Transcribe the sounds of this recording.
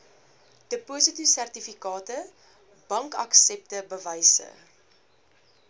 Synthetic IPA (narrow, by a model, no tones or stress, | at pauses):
d̥əpuːsətisærtifikɑːtə | b̥ɐŋkɐksɛp̚təbəvəjsə̰